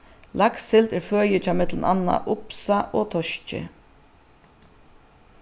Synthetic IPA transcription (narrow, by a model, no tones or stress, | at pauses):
laksɪlt̪ɛɾføːjət͡ɕaːmɛt̪ləna̰nːa̰ʔʊpsaʔɔːt̪ʰɔʃcɪ̰